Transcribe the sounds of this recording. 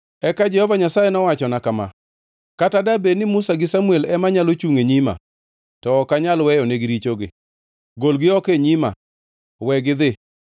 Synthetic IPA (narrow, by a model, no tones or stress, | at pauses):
ɛkad͡ʒɛhɔvaɲasajenɔwat͡ʃɔnakama̰ | katadabenɪmʊsaɡɪsamuelɛmaɲalot͡ʃuŋeɲima̰ | tɔːkaɲalwɛjɔneɡɪɾit͡ʃoɡɪ̰ | ɡolɡɪɔkeɲima̰ | wɛɡɪd̪ɪ